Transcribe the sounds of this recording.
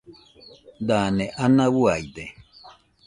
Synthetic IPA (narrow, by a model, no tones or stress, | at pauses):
d̪aneʔanãwuaid̪e